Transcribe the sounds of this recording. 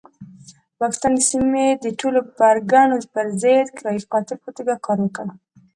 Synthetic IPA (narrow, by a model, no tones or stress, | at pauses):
pɑkɪ̥st̪ɑnd̪əsimed̪əʈʰolobaɾɡɑnopəɾzejd̪kɾɑjixɑt̪ɪɾpot̪oɡakɑɾwəkəɽ